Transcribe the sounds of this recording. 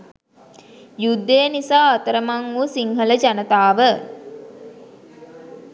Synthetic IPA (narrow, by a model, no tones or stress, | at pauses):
jud̪ːejːnisaːt̪əɾəmaŋuːsiŋɦələd͡ʒanət̪aːʋə